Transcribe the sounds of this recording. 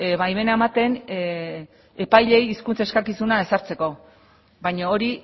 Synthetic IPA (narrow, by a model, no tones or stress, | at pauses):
βajme̞naemat̪e̞n | e̞pajʎe̞jiskunt͡se̞skakisunae̞saɾt͡se̞ko̞ | βajɲaoɾi